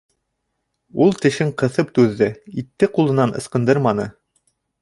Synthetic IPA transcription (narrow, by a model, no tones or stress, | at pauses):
ulˠt̪ɘ̆ʃɘɴqɤ̆θɤp̚t̪ʉðːɘit̪ːɘqulˠɤ̆nɑnʔɤ̆sqɤ̆nd̪ɤɾmɑnɤ̰